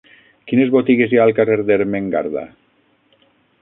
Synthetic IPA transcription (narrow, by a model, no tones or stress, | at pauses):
kinezβot̪iɣezjaːlˠkareɾðeɾmeŋɡa̰ɾða̰